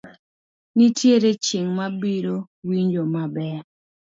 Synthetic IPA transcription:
nitjeɾet͡ʃiŋmabiɾo | wiɲd͡ʒomabɛ

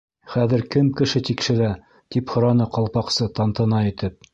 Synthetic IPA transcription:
χæðɘ̆ɾkɘmkɘ̆ʃɘt̪ikʃɘ̆ɾæ | t̪iphŏɾɑnɤqɑlˠpɑqsɤt̪ɑnt̪ɤ̆nɑĭt̪ɘp̚

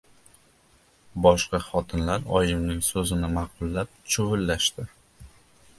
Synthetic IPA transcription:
bɒʃqɑχɒt̪ʰɪnlaɾɒjɪmnɪŋsɵzɪnɪmɑq̚ʊlˠːap̚t͡ʃʰʊvʊlːaʃt̪ɪ

